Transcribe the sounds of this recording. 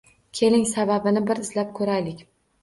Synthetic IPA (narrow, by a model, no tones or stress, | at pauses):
kʲʰe̞lɪŋsababɪnɪbɪɾɪz̥lap̚kʰɵɾajlɪkʲ